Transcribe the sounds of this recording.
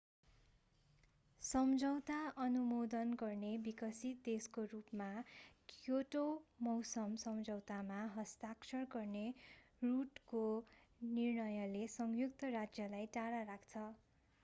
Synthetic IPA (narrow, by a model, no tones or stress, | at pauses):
sʌmd͡zʱʌwt̪aʔʌnumod̪ʌnɡʌrnebikʌsit̪̚d̪eskorupmakjoʈomʌwsʌmsʌmd͡zʌwt̪amaɦʌst̪aksʌrɡʌrne | ruʈkonirnʌjʌlesʌŋjuk̚t̪ʌrad͡zjʌlajʈaɽaɾakʰt͡sʰʌ